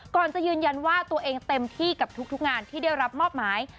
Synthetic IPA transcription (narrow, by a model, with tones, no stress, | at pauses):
kɔː˨˩nt͡ɕa˨˩jɯː˧nja˧nwaː˥˩t̪u˧ɐʔeː˧ŋt̪e˧mt̪ʰiː˥˩ka˨˩p̚t̪ʰu˦˥k̚t̪ʰu˦˥k̚ŋaː˧nt̪ʰiː˥˩da˥˩jɾa˦˥p̚mɔː˥˩p̚maː˩˦j